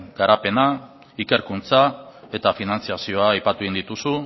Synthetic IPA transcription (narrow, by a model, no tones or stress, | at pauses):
ɡ̥aɾape̞na | ike̞ɾkunt͡sae̞t̪afinant͡siasio̞aːjpat̪uind̪it̪usu